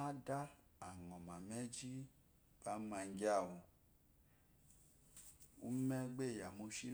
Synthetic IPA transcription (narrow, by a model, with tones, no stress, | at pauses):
a˦da˦a˨ŋɔ̃˨mã˨mɛ˨˦d͡ʒi˦ | ba˦mã˧n̩˦d͡ʒa˦˨wo˨ | ṵ˦mɛ˦ɡ͡be˦˨ja˨mõ˧ʃi˦